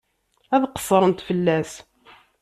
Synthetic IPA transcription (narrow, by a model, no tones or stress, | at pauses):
æðqə̥sˤːəɾˤənt̪fəlːæs